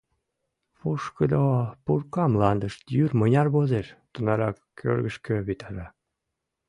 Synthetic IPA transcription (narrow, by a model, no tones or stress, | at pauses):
puʃkəd̪opurkɑmlɑnd̪əʃt̪jyrmənʲɑrβozeʃt̪unɑɾɑkʰːø̰rɣəʃkøβit̪ɑɾɑ